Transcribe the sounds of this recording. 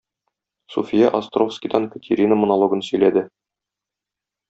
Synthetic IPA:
sufʲijɑʔɐst̪rofskʲijd̪ɑnkə̆t̪ʰʲeɾʲinəmŏnɐlˠoɡɤnsɵ̆jlæd̪ɘ

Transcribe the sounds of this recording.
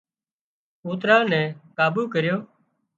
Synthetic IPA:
uːt̪ɾãːnɛ̃ːkaːbuːkəɾjoː

